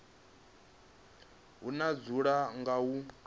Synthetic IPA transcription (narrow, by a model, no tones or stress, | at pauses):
ɦunad͡zuɺaŋɡaɦu